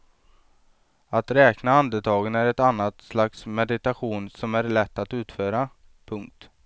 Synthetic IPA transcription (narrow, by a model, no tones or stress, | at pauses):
at̪ɾɛːknaand̪ət̪ʰɑːɡənæɾɛt̪anːat̪slaksmɛd̪ɪt̪aɧuːnsɔmæɾɭɛt̪ːat̪ʉ̟ːt̪føːɾa | pʰɵŋk̚t̪